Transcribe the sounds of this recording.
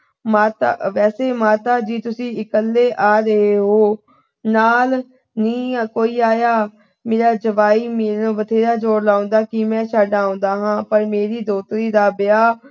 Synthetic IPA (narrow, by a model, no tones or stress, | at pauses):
maːt̪a̰ʋɛːseːmaːt̪aːd͡ʒiːt̪ʊsĩːɪkəlːeːʔaːɾəɦeːɦoː | naːl | nĩːkoːiːaːjaː | meːɾaːd͡ʒəʋaːiːmeːɾ̃ːʋət̪ʰeːɾaːd͡ʒoːɾlaːʊ̃nd̪aːkɪmɛ̃ːʃaːɖaːõːnd̪aːɦãːpəɾmeːɾiːd̪oːt̪ɾiːd̪aːbɪaː